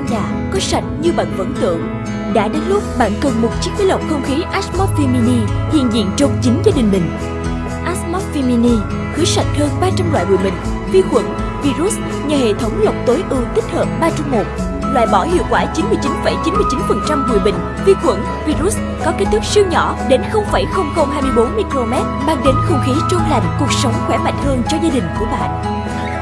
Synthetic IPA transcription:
ɗaː˨˩ | kɔː˨˦sa˨˩jk̚ɲɨ˧ɓa̰ː˧˨nvə̰˧˥nt̪ɨ̰˧˨əŋ | ɗa̰ː˧˥ɗe˨˦nlʊ˦˥k͡p̚ɓa̰ː˧˨nkə˨˩nmo˨˩t̚t͡ɕi˦˥k̚mi˨˦jlə˨˩wk͡p̚xə˧wŋ͡mxi˨˦ʔaː˦˥smɔ˦˥t̚fi˧mi˧ni˧hḭ˧˨ənzḭ˧˨ənt͡ɕo˨˩ŋ͡mt͡ɕi˨˦ŋ̟zaː˧ɗï˨˩ŋ̟mï˨˩ŋ̟ | ʔaː˦˥smɔ˦˥t̚vi˧mi˧ni˧ | xɨ˨˦sa˨˩jt̟̚həː˧nɓaː˧t͡ɕa˧mla̰ː˧˨jvṵ˧˨jɓï˨ŋ̟ | vi˧xwə̰˧˥n | vi˧zu˦˥s | ɲaː˨˩hḛ˧˨t̪ʰə˨˦wŋ͡mlə˨˩wk͡p̚t̪o˨˦jʔɨ˧t̪ï˦˥k̟̚həː˨˩p̚ɓaː˧t͡ɕa˧wŋ͡mmo˨˩t̚ | lwa̰ː˧˨jɓɔ˧˩hḭ˧˨wkwaː˧˩t͡ɕi˨˦nmɨ˧əjt͡ɕi˨˦nfə˧˩jt͡ɕi˨˦nmɨ˧əjt͡ɕi˨˦nfə˨˩nt͡ɕa˧mɓṵ˧˨ɓï˨ŋ̟ | vi˧kwə˧˥n | vi˧ɾu˦˥s̚ | kɔ˨˦ke˦˥t̚t̪ʰʊ˦˥si˧wɲɔ˧˩ | ɗe˨˦nxə˧wŋ͡mfa˧˩jxə˧wŋ͡mxə˧wŋ͡mhaː˧jmɨ˧jɓo˨˦nmi˧klo˧mɛ˦˥t̚ɓaː˧ŋɗe˨˦nxə˧wŋ͡mxi˨˦t͡ɕo˧la˨˧˩nku˨˩ək̚sə˨˦wŋ͡mxwɛ˧˦ma̰˨˧˨jŋ̟həː˧nt͡ɕɔ˧zaː˧ɗï˨˩ŋ̟ku˧˩əɓa̰ː˧˨n

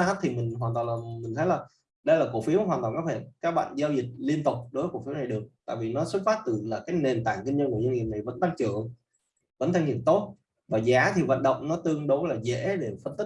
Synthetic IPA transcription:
a˦˥t̪ʰi˨˩mï˨˩ŋ̟ɦwaː˨˩nt̪waː˨˩laː˨˩mi˨˩ŋ̟ʰə˨˦jlaː˨˩ | ɗə˧jlaː˨˩ko̰˧˩fi˨˦əwɦwaː˨˩nt̪waː˨˩nkaː˨˦˥hḛ˧˩nkaː˨˦˥k̚ɓa̰ː˧˨ŋzaː˧wzï˨˩k̚li˧ənt̪ʊ˨˩k͡p̚ɗo˨˦və˨˦ko̰˧˩fi˨˦wna˨˩jɗɨ˨˩ək̚t̪a̰ː˧˨jvi˨˩nɔ˨˦swə˦˥t̚faː˦˥t̚t̪ɨ˨˩laː˨˩kaː˨˦jne˨˩nt̪aː˧˩ŋkï˧ŋ̟ɲə˧nku˧˩əɲə˧nhi˧˨əmna˨˩jvə̰˧˥nt̪a˧ŋt͡ɕɨ̰˧˨əŋ | və̰˧˥nt̪ʰa˧ŋhḭ˧˨ənt̪o˦˥t̚ | vaː˨˩zaː˨˦t̪ʰi˨˩və̰˧˨nɗə̰˧˨wŋ͡mnɔ˨˦t̪ɨ˧əŋɗo˨˦laː˨˩zḛ˧˥ɗe˧˩fə˧nt̪i˦˥k̚

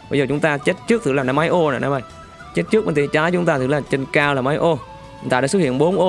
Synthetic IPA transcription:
ɓə˧jzə˨˩t͡ɕʊ˨˦ŋ͡mt̪aː˧t͡ɕe˦˥t̚t͡ɕɨ˦˥əɨ˧˦laː˨˩na˨˧maː˨˦jʔo˧na̰˨˩na˨˧˦ma˧˩j | t͡ɕe˦˥t̚t͡ɕɨ˦˥k̚m˨˩nt̪ʰi˨˩t͡ɕaː˨˦jt͡ɕʊ˨˦ŋ͡mt̪aː˧ɨ˧˩˦laː˨˩t͡ɕə˧nkaː˧wlaː˨˩maː˨˦jʔo˧˩˨ | t̪aː˧ɗaː˧˥swt̚hḭ˧˨ənɓo˨˦nʔo˧

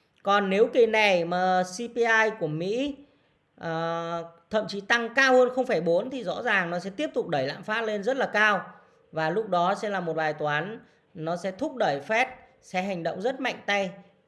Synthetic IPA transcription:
kɔ˨˩nːe˨˦wki˨˩nɛ˨˩jmaː˨˩si˧pi˧ʔaː˧jku˧˩əmḭ˧˥ | ʔəː˨˩t̪ʰə̰˧˨mt͡ɕi˨˦t̪a˧ŋkaː˧whəː˧nxə˧wŋ͡mfaː˧˩jɓo˨˦ənt̪ʰi˨˩zɔ̰˧˥zaː˨˩ŋnɔ˨˦sɛ̰˧˥t̪i˦˥əp̚t̪ʊ˨˩k͡p̚ɗə˧˩jla̰ː˧˨mfaː˦˥t̚le˧nzə˦˥t̚laː˨˩kaː˧w | vaː˨˩lʊ˦˥k͡p̚ɗɔ˨˦sɛ̰˧˥laː˨˩mo˨˩t̚vaː˨˩jt̪waː˨˦n | nɔ˨˦sɛ̰˧˥t̪ʰʊ˦˥k͡p̚ɗəː˧˩jfɛ˦˥t̚ | sɛ̰˧˥ɦa˨˩jŋ̟ɗə̰˧˨wŋ͡mzə˦˥t̚ma̰˧˨jŋ̟t̪a˧j

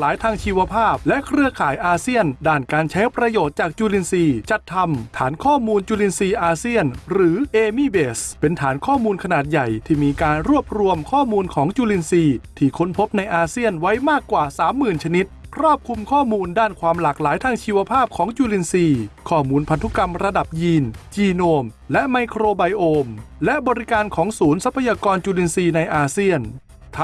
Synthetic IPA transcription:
laː˨˦jt̪ʰaː˧ŋt͡ɕʰiː˧wa˧pʰaː˥˩p̚lɛ˦˥ʔkʰɾɯ˧əkʰaː˩˦jʔaː˧si˥˩əndaː˥˩nkaː˧nt͡ɕʰɛ˦˥ŋpɾa˧joː˨˩t̪̚t͡ɕaː˨˩k̚t͡ɕuː˧li˧nsiː˧t͡ɕa˨˩t̪ʰːa˧mt̪ʰaː˩˦nkʰɔː˥˩muː˧nt͡ɕuː˧li˧nsiː˧ʔaː˧si˥˩ənɾɯː˩˦ʔeː˧miː˧˥˩beː˨˩spe˧nt̪ʰaː˩˦nkʰɔː˥˩muː˧nkʰa˧naː˨˩t̪̚ja˨˩jt̪ʰiː˥˩miː˧kaː˧nɾu˥˩əp̚ɾu˧əmkʰɔː˥˩muː˧nkʰɔː˩˦ŋt͡ɕuː˧li˧nsiː˧t̪ʰiː˥˩kʰo˦˥npʰo˦˥p̚na˧jʔaː˧si˥˩ənwa˦˥jmaː˥˩kːwaː˨˩saː˩˦mːɯː˨˩nt͡ɕʰa˧ni˦˥t̪̚kʰɾɔː˥˩p̚kʰu˧mkʰɔː˥˩muː˧ndaː˥˩nkʰwaː˧mlaː˨˩k̚laː˨˩˦jt̪ʰaː˧ŋt͡ɕʰiː˧wa˧pʰaː˥˩p̚kʰɔː˩˦ŋt͡ɕuː˧li˧nsiː˧kʰɔː˥˩muː˧npʰa˧nt̪ʰu˦˥ka˧mɾa˧da˨˩p̚jiː˧nt͡ɕiː˧noː˧mlɛ˦˥ʔma˧jkʰɾoː˧ba˧jʔoː˧mlɛ˦˥ʔbɔː˧ɾi˦˥kaː˧nkʰɔː˩˦ŋsuː˩˦nsa˦˥pʰːa˧jaː˧kɔː˧nt͡ɕuː˧li˧nsiː˧na˧jʔaː˧si˥˩ən | t̪ʰ

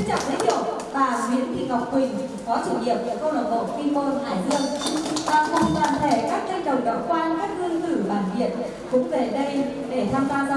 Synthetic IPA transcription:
t͡ɕa˨˩p̚lḭ˨˦ɗḭ˧˩˨ə˨w̚ | vaː˨˩mwi˨˦ənt̪ʰḭ˧˨ka˨˩wk͡p̚kï˨˩ŋ̟ | kɔ˨˦t͡ɕɨ˧˩k̚ɲi˧˩əw̚ɨ̰˧˨əkə˧wla̰˨˩n̚ʔo̰˧˨˩fi˧mo˧nhaː˧˩jzɨ˧əŋvaː˨˩xə˧wŋ͡mt̪əː˧˩nt̪ʰe˧˩kaː˦˥k̚tə˧jt͡ɕə˨˩wŋ͡mka˨˦wkwaː˧nkaː˦˥k̚zɨ˧əŋt̪ɨ˧˩ɓaː˧˩nvḭ˧˨ən | kʊ̰˧˥ŋ͡mve˨˩ɗə˧j | ɗe˧˩t̪ʰaː˧mzwaː˧z

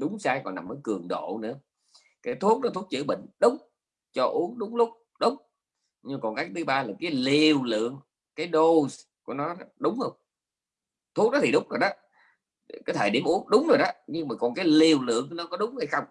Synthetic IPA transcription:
ɗʊ˨˦ŋ͡msaː˧jkɔ̰˨˩na˨˩mːəː˨˦jkɨ˨˩əŋɗo̰˧˨nɨ̰˧˥ə | kaː˨˦jt̪ʰu˦˥ət̚ɗɔ˨˦t̪ʰu˦˥t̚t͡ɕɨ̰˧˥ɓḭ˧˨ŋ̟ɗʊ˨˦ŋ͡m | t͡ɕɔ˧ʔu˨˦˥əŋɗʊ˨˦ŋ͡mlʊ˦˥k͡p̚ | ɗʊ˨˦ŋ͡m | ɲɨ˧ma˨kɔ˨˩nkaː˨˦˥t̪ʰɨ˨˦ɓaː˧laː˨˩kaː˨˦jli˨˩əwlɨ̰˧˨əŋ | kaː˨˦jɗo˧˩sku˧˩ənɔ˨˦˨ɗʊ˨˦wŋ͡mhə˧wŋ͡m | t̪ʰu˦˥k̚ɗɔ˨˦t̪ʰi˨˩ɗʊ˨˦wŋ͡mzo˨˩jɗɔ˨˦ | kaː˨˦jt̪ʰəː˨˩jɗi˧˩əmʔu˨˦əŋɗʊ˨˦wŋ͡mzo˨˩jɗɔ˨˦ɲɨ˧ŋmaː˨˩kɔ˨˩nkaː˨˦jli˨˩əwlɨ̰˧˨əŋnɔ˨˦kɔ˨˦ɗʊ˨˦wŋ͡mha˧jxə˧wŋ͡m

